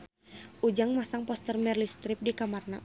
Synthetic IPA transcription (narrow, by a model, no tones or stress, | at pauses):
ʔud͡ʒaŋmasaŋpɔst̪ərmɛrlist̪ɾip̚dikamarna̰